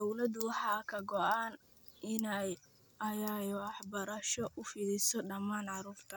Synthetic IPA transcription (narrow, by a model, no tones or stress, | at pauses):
d̪ɔwlɐd̪ʊwɑħɑːkʰɐɡɔʔaːn | ʔɪnɛj | ɐjɛjwɑħbɐɾɐʃɔʔʊfɪlɪsɔɖɐmaːnʕɑɾuːrt̪ʰɐ